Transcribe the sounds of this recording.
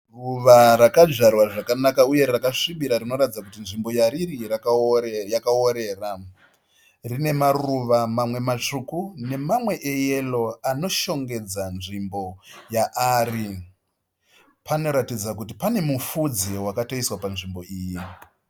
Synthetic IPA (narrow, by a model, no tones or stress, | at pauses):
ruʋarakad͡ʒarwaʐakanakauje̞rakaʂiɓiɾarino̞ɾatid͡zakutinʐimbo̞jaɾirirakjakaoɾe̞ːra | rine̞maruʋamamwe̞mat͡ʂukune̞mamwe̞ʔeje̞lo̞ano̞ʃo̞ŋɡe̞d͡zanʐimbo̞jaʔaːri | pano̞ɾatid͡zakutipane̞mufud͡ziwakato̞iswapanʐimbo̞iːji